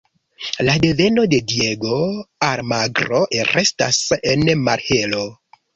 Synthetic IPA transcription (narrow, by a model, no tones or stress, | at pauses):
lade̞ve̞no̞de̞die̞ɡo̞aɾmaɡɾo̞ʔresta̰se̞nmaɾhelo̞